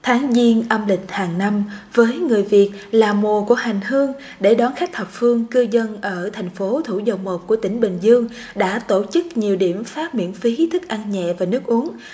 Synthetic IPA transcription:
t̪ʰaː˨˦ŋzi˧ənʔə˧mlï˨˩k̟̚haː˨˩ŋna˧mvəː˨˦jŋɨ˨˩əjvi˨˩ət̚laː˨˩mo˨˩ku˧˩əha˨˩jŋ̟hɨ˧əŋ | ɗe˧˩ɗɔ˨˦nxa˦˥k̟̚hə˨˩wp̚fɨ˧əŋkɨ˧wzə˧nʔəː˧˩t̪ʰa˨˩jŋ̟fo˨˦t̪ʰu˧˩zə˨˩wŋ͡mmo˨˩p̚ku˧˩ət̪ï˧˩ŋ̟ɓï˨˩ŋ̟zɨ˧əŋ | ɗa̰ː˧˥t̪o˧˩t͡ɕɨ˦˥k̚ɲi˨˩əwɗḭ˧˩˨əmfaː˦˥p̚mḭ˧˥ənfi˨˦t̪ʰɨ˦˥k̚ʔa˧nɲɛ̰˧˨vaː˨˩nɨ˦˥ək̚ʔu˨˦əŋ

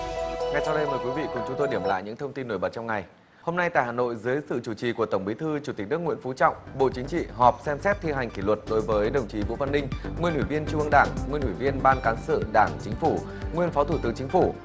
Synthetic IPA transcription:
ŋa˨˩jsa˧wɗə˧jməː˨˩jkwi˨˦vḭ˧˨kʊ˨˩nt͡ɕʊ˨˦ŋ͡mt̪o˧jɗi˧˩əmla̰ː˧˨jɲɨ̰˧˥ŋt̪ʰə˧wŋ͡mt̪i˧nːo˧˩jɓə˨˩t̚t͡ɕɔ˧ŋ͡mŋa˨˩j | ho˧mna˧jt̪a̰ː˧˨jhaː˨˩no̰˧˨jzɨː˨˦jsɨ̰˧˨t͡ɕu˧˩t͡ɕḭ˨˩ku˧˩ət̪ə˧˩wŋ͡mɓi˨˦t̪ʰɨ˧t͡ɕu˧˩i˨˩k̟̚nɨ˦˥əkŋwi˧˥ənfu˨˦t͡ɕɔ̰˧˨wŋ͡mɓo̰˧˨t͡ɕï˨˦ŋ̟t͡ɕḭ˧˨ɦɔ˨˩p̚sɛ˧msɛ˦˥t̚t̪ʰi˧ɦa˨˩jŋ̟ki˧˩lwə˨˩t̚ɗo˨˦jvəː˨˦jɗə˨˩wŋ͡mt͡ɕḭ˨˩vṵ˧˥va˧nːï˧ŋ̟ŋwi˧ənʔwi˧˩vi˧ənt͡ɕu˧ʔə˧ŋɗaː˧˩ŋŋwi˧ənʔwi˧˩vi˧ənɓaː˧nkaː˨˦nsɨ̰˧˨ɗaː˧˩ŋt͡ɕï˨˦ŋ̟fu˧˩ | ŋwi˧ənfa˨˦t̪ʰṵ˧˩t̪ɨ̰˨˦ŋt͡ɕï˨˦ŋ̟fu˧˩

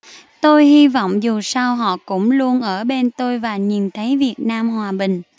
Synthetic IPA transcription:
t̪o˧jɦi˧vɔ̰˧˨wŋ͡mzu˨˩saː˧wɦɔ̰˧˨kʊ̰˧˥ŋ͡mlu˧ənʔəː˧˩ɓe˧nt̪o˧jvaː˨˩ɲi˨˩nt̪ʰə˨˦jvi˨˩ət̚naː˧mɦwaː˨˩ɓï˨˩ŋ̟

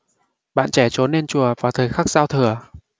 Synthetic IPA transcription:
ɓa̰ː˧˨nt͡ɕɛ˧˩t͡ɕo˨˦nːe˧nt͡ɕu˨˩əvaː˨˩wt̪ʰəː˨˩jxaː˦˥k̚z̥aː˧wt̪ʰɨ˨˩ə

